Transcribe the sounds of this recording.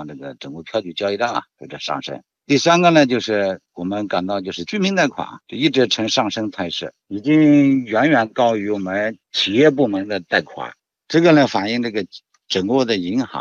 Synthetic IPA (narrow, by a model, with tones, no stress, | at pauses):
ŋnʈ͡ʂɤ˥˩ɡə˩ʈ͡ʂɤ˨˩ŋkwɔ˥˩pʰjɑ˥˧ʊt͡ɕy˨˥˩t͡ɕjɑ˥˧ʊi˥˧t̪a˥˩ŋɐ̰˨˩xe˥˩ʈ͡ʂə˨˩ʂɑ̰˥˩ŋʂɤ̰˥ŋ | t̪i˥˩sa˥nɡə˨nə˨t͡ɕjo˥˧ʊʂɻ̩˥˩wɔ˨˩mə˦nka˨˩nt̪ɑ˥˧t͡ɕjo˥˧ʊʂɻ̩˥˧t͡ɕy˥˩mi˧˥ŋt̪a˥˩ɪkʰwa̰˨˩˦t͡ɕjo˥˧i˥˩ʈ͡ʂɻ̩˧˥ʈ͡ʂʰɤ˧˥ŋʂɑ˥˩ŋʂɤ˥ŋt͡sʰa˥˧ɪʂɻ̩̰˥˩ | i˨˩t͡ɕi˥ŋɥɛ˧˥nɥɛ˨˩nkɑ˥ʊy˧˥wɔ˨˩mə˧˦nt͡ɕʰi˨˩jɛ˥˧p̬u˥˩mə˧˥ŋd̪ə˧t̪a˥˩ɪkʰwa̰˨˩˦ | ʈ͡ʂɤ˥˩ɡə˨˩nə˩fa˨˩ni˥˧ŋʈ͡ʂɤ˥˩ɡə˩ | ʈ͡ʂɤ˨˩ŋwɔ˥˩d̪ə˨i˧˥ŋxɑ̰˧˥ŋ